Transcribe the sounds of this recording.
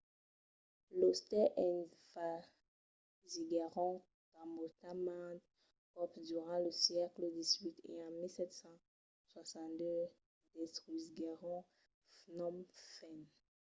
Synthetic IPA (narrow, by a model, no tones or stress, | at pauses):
lost̪ɛʔɛ̃nfa | ziɡaʁɔ̃ | t̪ãmbɔt̪amãt̪ | ɔpd̪yʁɑ̃ləsjɛkləd̪izɥit̪ḛɑ̃milsɛt̪sɑ̃ | swasɑ̃d̪ø | d̪̥et̪ʁyziɡaʁɔ̃ | fnɔmfɛn